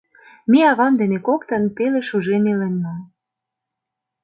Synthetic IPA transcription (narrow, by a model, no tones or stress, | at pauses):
miɑβɑmd̪enekokt̪ɤ̆npeleʃuʒenelenːɑ